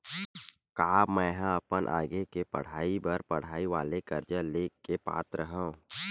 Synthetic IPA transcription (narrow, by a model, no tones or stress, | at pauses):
kaːmɛ̃ːɦãɐpənʔa̰ːɡekepɐ̰ɽ̤aːibəɾpɐɽ̤aːiʋa̰ːlekəɾd͡ʒəlekepa̰ːt̪ɾəɦə̃